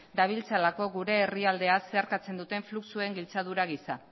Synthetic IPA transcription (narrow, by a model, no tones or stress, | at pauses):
d̪aβ̞ilt͡salako̞ɣuɾe̞ːriald̪e̞ase̞aɾkat͡se̞nd̪ut̪e̞ɱfluksue̞ŋɡilt͡saðuɾaɣisa